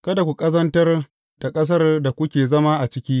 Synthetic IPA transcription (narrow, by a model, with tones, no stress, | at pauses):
kɐ˦da˨kʷu˨kʼɐ˦zɐ˦ntɐ˦r | d̥a˨kʼɐ˦s̬ɐ˦rda˨kʷʊ˦kʲeː˨zɐ˦ma˦ʔa˨t͡ʃɪ˦kʲiː˦